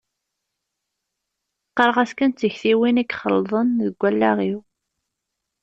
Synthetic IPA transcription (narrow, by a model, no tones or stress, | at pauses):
qːəɾˤəʁæskənt͡s̪ːəçθiwinækχəlðˤənðəɡʷːælːæʁiw